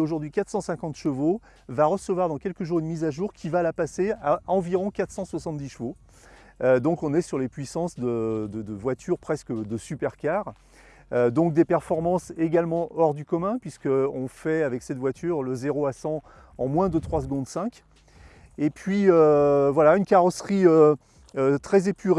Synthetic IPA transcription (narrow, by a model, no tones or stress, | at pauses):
oʒuʁd̪ɥikat̪χsɑ̃sɛ̃kɑ̃t̪ʃəvo | vaʁəsəvwaʁd̪ɑ̃kʲɛlkəʒuʁynmizaʒuːʁkʲivalapaseaɑ̃viʁɔ̃kat̪χsɑ̃swasɑ̃t̪d̪iʃəvo | ød̪ɔ̃kɔ̃nɛsyʁlepɥisɑ̃sd̪əd̪əd̪əvwat̪ʰyʁpχɛskəd̪əsypɛʁkʲaʁ | ød̪ɔ̃k̚d̪epɛʁfɔʁmɑ̃seɡalmɑ̃ʔɔʁd̪ykɔmɛ̃pɥiskəɔ̃fɛavɛksɛt̪vwat̪ʰyʁləzeʁoasɑ̃ | ɑ̃mwɛ̃d̪ət̪χwas̬ɡɔ̃d̪sɛ̃kʲ | epɥiøvwalaynkaʁɔsχiø | øt̪χɛzepyʁ